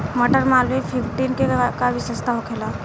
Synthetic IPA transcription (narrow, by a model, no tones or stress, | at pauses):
məʈəɾmalʋipʰipʰʈinkekaʋɪsəst̪aɦokʰela